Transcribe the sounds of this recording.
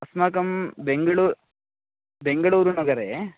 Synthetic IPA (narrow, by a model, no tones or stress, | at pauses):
ɐsmakɐmbeŋɡɐɭuːɾ | beŋɡɐɭuːɾunuɡɐɾe